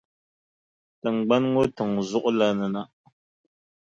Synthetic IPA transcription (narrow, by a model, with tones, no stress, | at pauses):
tə˨ŋ̩˨ɡ͡ba˦nŋo˦tɨ˨ŋzu˦ʔla˦nə˨na˦